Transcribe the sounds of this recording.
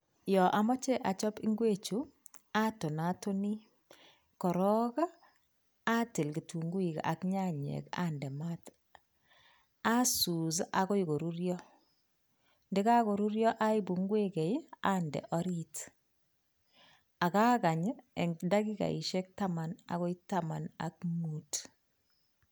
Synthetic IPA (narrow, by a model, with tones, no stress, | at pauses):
jɔ˨ʔa˨mɔ˦t͡ʃɛ˦ʔa˨t͡ʃɔ˦pi˦ŋɡwe˦t͡ʃu˨a˦to˨na˦to˦ni˦ | kɔ˨ɾɔ˦ka˦ | a˦ti˨lɡi˨tʰu˨ŋɡwi˨ka̰˨kɲa˦ɲɛ̰˨ka̰˦ndɛ˨ma˦t | a˦su˨s̬a˦kɔ˦iɡo˨ɾu˦ɾjɔ˦ | ndɪ˦ka˦ko˨ɾu˦ɾjɔ˦ʔa˦ibu˨ŋɡwe˦kɛ˨ja˦ndɛ̰˨ʔɔɾit | a˨ka˦ka˨ɲəɛ˨ŋda˦ɡi˦ka̰˨ḭ˨ʃe˦k̚ta˦mana̰ɣɔ˦itama˨na̰k̚mu˦t